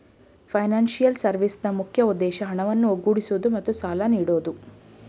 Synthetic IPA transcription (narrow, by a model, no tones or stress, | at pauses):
pʰɐjnaːnsijɐlsɐɾʋisnɐmukʰjɐud̪ːɛːʃɐɦɐɳɐʋɐnːuoɡuːɽisuːd̪umɐt̪ːusaːlaniːɽoːd̪u